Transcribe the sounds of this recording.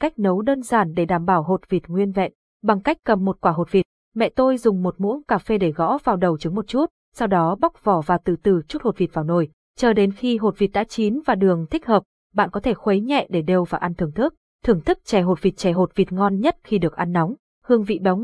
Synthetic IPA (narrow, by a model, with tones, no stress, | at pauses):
ka˦˥jk̟̚nə˨˦wɗəː˧nzaː˧˩nɗe˧˩ɗaː˧˩mɓaː˧˩wɦo˨˩t̚vi˨˩t̚ŋwi˧ənvɛ̰˧˨n | ɓa˨˩ŋka˦˥jk̟̚ʲkːə˨˩mːo˨˩t̚kwaː˧˩ɦo˨˩t̚vi˨˩t̚ | mɛ̰˧˨t̪o˧jzʊ˨˩ŋ͡mmo˨˩t̚mṵ˧˥ənkaː˧˩fe˧ɗe˧˩ɣɔ̰˧˥vaː˨˩wɗə˨˩wt͡ɕɨ˨˦ŋmo˨˩t̚t͡ɕu˦˥t̚ | sa˧wɗɔ˨˦ɓa˦˥wk͡p̚v̥ɔ˧˩vaː˨˩wt̪ɨ̰˧˨t̪ɨ˧˩t͡ɕu˦˥t̚ho˨˩t̚vi˨˩t̚va˨˩wno˧˩j | t͡ɕəː˧˩ɗe˨˦nxi˧ɦo˨˩t̚vi˨˩t̚ɗa̰ː˧˥t͡ɕi˨˦nvaː˨˩ɗɨ˨˩əŋt̪ʰï˦˥k̟̚həː˨˩p̚ | ɓa̰ː˧˨nkɔ˨˦t̪ʰe˧˩xwə˨˦jɲɛ̰˧˨ɗe˧˩ɗe˧˩wvaː˨˩ʔa˧nt̪ʰɨ˨˩əŋt̪ʰɨ˦˥k̚ | t̪ʰɨ˧˩əŋt̪ʰɨ˦˥k̚t͡ɕɛ˧˩ɦo˨˩t̚vi˨˩t̚t͡ɕɛ˧˩ɦo˨˩t̚vi˨˩t̚ŋɔ˧nɲə˦˥t̚xi˧ɗɨ˨˩ək̚ʔa˧nːɔ˨˦wŋ͡m | hɨ˧əŋvḭ˧˨ɓa˨˦w